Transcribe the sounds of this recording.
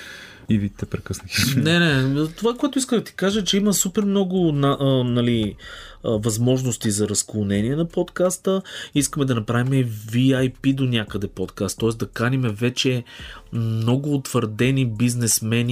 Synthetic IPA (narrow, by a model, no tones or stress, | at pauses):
ivit̪ɛpɾɛkəsnəxnɛnɛt̪ovakoɛt̪ʊiskəmd̪ɐt̪i̥kaʒət͡ʃɛiməsupɛɾmnɔɡʊnaʔənɐli | vɐzmɔʒnost̪izɐɾɐsklˠonɛniɛnɐpot̪kast̪əiskəmɛd̪ɐnɐpɾavimɛviajpid̪onʲjakəd̪ɛpɔt̪kast̪ːɔɛsd̪ɐkanʲimɛvɛt͡ʃɛ | mnɔɡʊːt̪vəɾd̪ɛnibiznɛsmɛnʲi